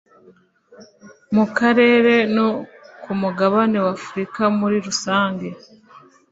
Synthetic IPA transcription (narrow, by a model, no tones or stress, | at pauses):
mukaɾe̞ːɾe̞nokumuɡaβane̞wafuɾikamuɾiɾusaːŋɡe̞